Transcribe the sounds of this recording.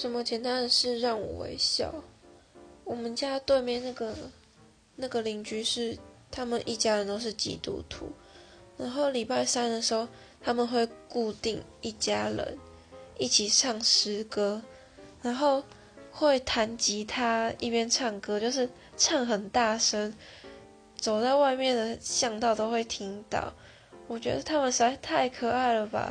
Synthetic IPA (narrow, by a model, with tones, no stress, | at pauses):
ʂə˨˦nmə˨˧t͡ɕʰjɛ˧˥nt̪a˥˦nə˨nʂɻ̩˥˧ɻɑ˥˩ŋwɔ̰˨˩wḛ˦ɪɕjɑ̰˥˨˩ʊ | wɔ˨˩mə˨˦nt͡ɕja˦t̪we˥˧ɪmjɛ˥˧ɪna˥˩ɡə˩ | na˥˩ɡə˨li˨˩ŋt͡ɕy˧˥˦ʂɻ̩˥˩t̪ʰa˦˥mə˨nʔi˥˩t͡ɕja˦˥ɻə˧˦nt̪o˥ʊʂ̬ɻ̩˥˩t͡ɕḭ˨˥t̪ṵ˨˩t̪ʰṵ˨˦ | na˧˥nxo˥˩ʊli˨˩pa˥˩ɪsa˥nd̪ə˨ʂɻ̩˧˥ho˥˩ʊ | t̪ʰa˦mə˨nxwe˥˧ɪku˥˧t̪i˥˧ŋi˥˩t͡ɕja˦ɻə̰˧˦n | i˥˩t͡ɕʰi˨˩ʂʰɑ˥˩ŋʂɻ̩˥kɤ˦˥ | na˨˦nxo˥˧ʊ | xwe˥˩ɪt̪ʰa˨˦nt͡ɕi˨˥t̪ʰa˦i˥˩pjɛ˥nʈ͡ʂʰɑ˥˩ŋkɤ˥˦t͡ɕjo˥˧ʊʂ̬ɻ̩˥˧ | ʈ͡ʂʰɑ˥˩ŋxə˨˩nt̪a˥˩ʂə˦˥n | t͡so˨˩ʊt̪a˥˧ʊwa˥˧ɪmjɛ˥˨nd̪ə˨˩ɕjɑ˥˧ŋt̪ɑ˥˧ʊt̪o˥ʊxwe˥˩ɪt̪ʰi˦˥ŋt̪ɑ̰˥˩ʊ | wɔ˨˩t͡ɕɥɛ̰˧˥d̪ə˨t̪ʰa˦˥mə˨nʂ̩˧˥a˥˧˩ɪt̪ʰa˥˩ɪkʰɤ˨˩a˥˩ɪlə˩ba̰˨